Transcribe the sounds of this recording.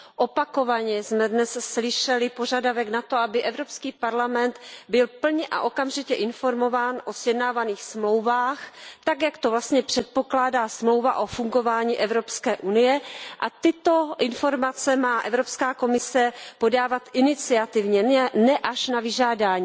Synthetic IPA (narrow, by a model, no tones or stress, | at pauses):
ʔopako̞vaɲɛzmɛdnɛsslɪʃɛlɪpo̞ʒadavɛɡnat̪oabɪʔɛvɾo̞pskiːpaɾlamɛnt̪bɪlpl̩ɲɛʔa̰ʔo̞kamʒɪcɛʔɪnfo̞ɾmo̞vaːnʔo̞sjɛdnaːvaniːxsmlo̞wvaːxt̪aɡjakt̪ovlast̪ɲɛpr̥ɛt̪̚po̞klaːdaːsmlo̞wvaʔo̞fuŋɡo̞vaːɲiːʔɛvɾo̞pskɛːʔunɪjɛʔat̪ɪt̪o̞ʔɪnfo̞ɾmat͡sɛmaːʔɛvɾo̞pskaːko̞mɪsɛpo̞daːvat̪ʔɪnɪt͡sɪat̪ɪvɲɛnɛʔaʃnavɪʒaːdaːɲiː